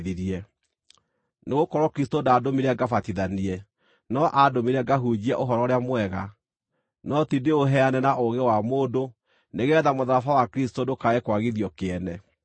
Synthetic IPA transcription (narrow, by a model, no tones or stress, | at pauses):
ðiɾiɛ | neɣokɔɾɔkɾistodaːdomiɾɛɡafatiðaniɛ | nɔʔadomiɾɛɡaɦud͡ʑiɛʔoɦɔɾɔɾeamwɛɣa | nɔtideoɦɛanɛnaʔoɣewamoːdo | neɣeɛðamoðaɾafawakɾis̬todokaekwaɣiðiɔkeɛnɛ